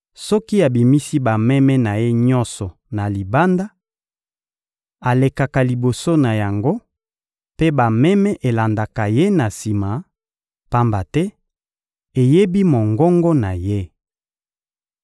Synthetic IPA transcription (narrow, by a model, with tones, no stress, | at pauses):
sɔ˦ki˦a˨bi˨mi˦si˦ba˨mɛ˦mɛ˦na˨je˦ɲɔ̃˦nsɔ˨ | na˨li˨ba˦nda˦ | a˨le˨ka˨ka˨li˨bo˨so˦na˨ja˨ŋɡo˦ | pe˦ba˨mɛ˦mɛ˦ʔe˨la˨nda˨ka˨je˦na˨si˨ma˨ | pa˦mba˨tɛ˦ | e˨je˦bi˦mo˨ŋɡɔ˦ŋɡɔ˦na˨je˦